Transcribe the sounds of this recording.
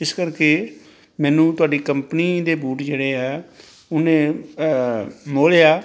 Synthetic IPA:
ɪskəɾkeː | mɛːnũːt̪ʊaːɖiːkəmpniːd̪eːbuːʈd͡ʒeːɽeːɦɛː | ʊnẽː | moːljaː

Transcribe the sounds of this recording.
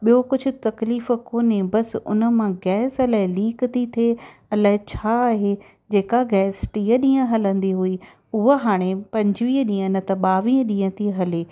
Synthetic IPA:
ɓijokʊd͡ʑʱʊ̆t̪ɐkliːf̆koːnẽbɐsʊ̰nə̆mãɡɛːsɐlaːɦɪliːkt̪it̪ʰeɐlaːɪt͡ɕʰaːɦe | d͡ʑeːkaɡɛːsʈiːəɗĩːə̃ɦɐlə̃nd̪iɦui | ʊɦəɦaːɽ̃epɐ̃ɲd͡ʑʋiːɗĩːə̃nɐt̪ɐɓaːʋĩːə̃ɗĩːə̃t̪ʰiɦɐleː

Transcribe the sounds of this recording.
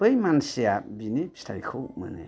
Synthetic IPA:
pɯjmansijabinipʰi̥stʰajkʰomɯ̰nḛ

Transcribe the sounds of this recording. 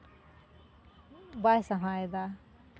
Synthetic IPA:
bajsaɦajd̪a

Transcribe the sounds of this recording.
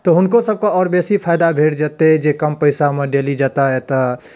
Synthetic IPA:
t̪oɦʊnkosəb̚kaɔːɾbɛːsipʰaːɪd̪abʱeːɽd͡ʒaːt̪eɦɛd͡ʒeːkəmpəɪsaɦməɖeːlid͡ʒaːt̪aɦɛt̪o

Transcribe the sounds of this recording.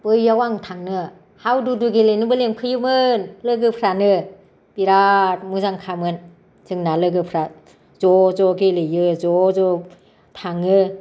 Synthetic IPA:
b̥ɯjːawaŋtʰaŋnɯ | hawduduɡelejnɯbɯleŋkʰɯjɯmɯnlɯɡɯpʰɾanɯ | b̥iɾat̚muzaŋkʰamɯn | zɯŋnalɯɡɯpʰɾa | zɔzɔɡelɯjɯzɔzɔ | tʰaŋɯ

